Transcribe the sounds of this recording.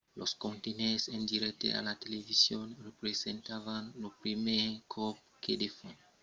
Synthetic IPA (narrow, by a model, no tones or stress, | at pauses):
loskõnt̪enensẽnd̪iɾɛk̚t̪ḛa̰lat̪elevisjonrepɾesẽnt̪avanlopɾimekʰɔp̚ | ked̪efɔn